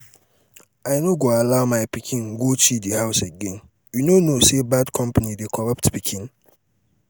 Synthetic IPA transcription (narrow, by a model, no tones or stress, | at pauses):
aɪnoɡoalaʊmaɪpikʰĩnɡot͡ʃidihaʊseɡẽn | junonosebadkʰɔ̃mpanidekʰɔɹɔptpikʰĩn